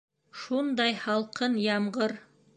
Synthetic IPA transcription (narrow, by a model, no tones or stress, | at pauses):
ʃund̪ɑjhɑlˠqɤnjɑmʁɤɾ